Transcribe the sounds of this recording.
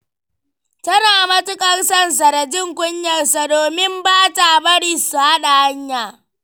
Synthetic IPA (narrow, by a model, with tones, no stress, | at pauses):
tɐ˦naː˨mɐ˦tʊ˦kʼɐ˦rsɐ˦ns̬a˨dɐ˨d͡ʒɪ˦˨ŋkʷʼʊ˦ɲjɐ˨rsa˨doː˨mɪ˦mbaː˦ta˨bɐ˦ɽiː˦˨su˨ha˦ɗa˨ha˦ɲjaː˨